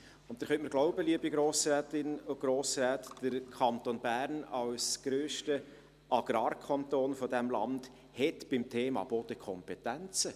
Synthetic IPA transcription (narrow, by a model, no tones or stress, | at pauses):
ʊnt̪ːəɾχœntməɾɡ̥lɔʊbəliəbiɡɾoːsrɛːtɪnʊɡ̥ɾoːsɾæːtd̥əɾkʰɑnt̪onbæːɾnɑwsɡ̥ɾøːʃtə | ʔɑɡ̥ɾɑːrkʰɑntoːnfɔdæmlɑ̰nd̥ | hɛtb̥ɪmtʰeːmɑ̰b̥od̥̪əkʰɔmpɛtænt͡sə